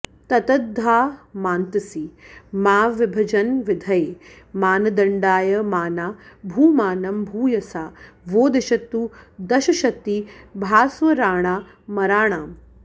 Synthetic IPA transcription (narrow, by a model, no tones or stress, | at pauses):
t̪ɐt̪ɐd̪ʱːaːmaːnt̪ɐsimaːʋɪbʱɐd͡ʒɐnʋɪd̪ʱɐjeː | maːnɐd̪ɐɳɖaːjɐmaːnaːbʱuːmaːnɐmbʱuːjɐsaːʋoːd̪ɐʃɐt̪ːud̪ɐʃɐʃɐt̪ːiːbʱaːsʋɐɾaːɳ̃aː | mɐɾaːɳ̃aːm